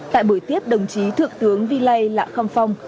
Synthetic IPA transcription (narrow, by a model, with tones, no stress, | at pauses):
t̪a̰ː˧˨jɓu˧˩jt̪i˦˥əp̚ɗə˨˩wŋ͡mt͡ɕi˨˦t̪ʰɨ˨˩ək̚t̪ɨ˨˦əŋvi˧lə˧jla̰ː˧˨xa˧mfa˧wŋ͡m